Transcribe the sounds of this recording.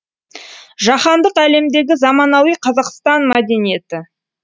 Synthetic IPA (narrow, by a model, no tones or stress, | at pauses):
ʒɑχɑnd̪əqæle̞md̪e̞ɡʲɪzɑmɑnɑwijqʰɑzɑqst̪ɑnmæd̪e̞nije̞t̪ɪ